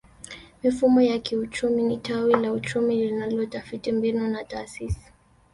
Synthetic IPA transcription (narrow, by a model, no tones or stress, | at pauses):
mifumɔjakiut͡ʃuminitawilaut͡ʃumilinalɔtafitimbinunataːsisi̥